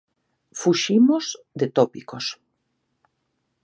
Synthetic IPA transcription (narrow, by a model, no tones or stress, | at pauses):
fuʃimoz | d̪et̪opikos